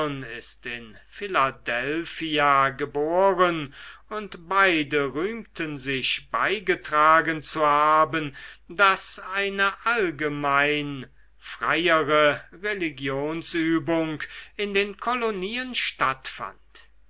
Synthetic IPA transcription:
nɪstɪnfɪladɛlfiaɡəboːʁənʊntb̥aɪdəʁyːmtʰənzɪçb̥a̰ɪɡətʁ̥aːɡənt͡suhaːbəndasaɪnəʔalɡəmaɪn | fʁ̥aɪəʁəʁeliɡjoːnsyːbʊŋkɪndeːnkʰɔloniːənʃtatfa̰nt

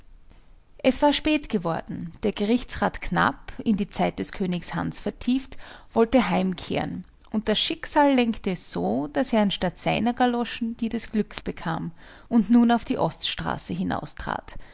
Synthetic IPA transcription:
ʔɛsv̥aːɐʃpɛːtɡ̥əvɔɐdn̩d̥eːɐɡ̥əʁɪçt͡sʁaːtkʰna̰pɪndiːt͡saɪt̚d̥ɛskʰøːnɪçsha̰nsfɛɐtʰiːftv̥ɔltəɦaɪmkʰḛːə̰n | ʔʊnt̚d̥asʃɪkz̥aːlːɛŋktəsz̥oːd̥aseːɐanʃtatz̥aɪnɐɡalɔʃn̩d̥iːdɛsɡ̥lʏksb̥əkʰa̰ːm | ʊntnuːnaʊfd̥iːʔɔstʃtʁ̥a̰ːsəɦɪna̰ʊstʁ̥a̰ːt

